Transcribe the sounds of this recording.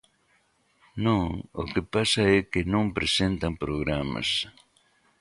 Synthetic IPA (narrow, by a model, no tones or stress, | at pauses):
noo̰kepasaekenompɾesent̪ampɾoɣɾama̰s